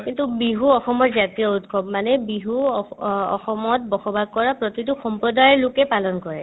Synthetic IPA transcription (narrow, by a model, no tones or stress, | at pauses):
kintubiɦuɔxɔmɔtzatijɔutɡʰʱɔbmanɛbiɦu | ɔ̰xɔmɔt̚bɔxɔbʱaɡ̚kɔɹapɹɔtituxɔmpɹɔdajɹlʊkɛpalɔnkɔɹɛ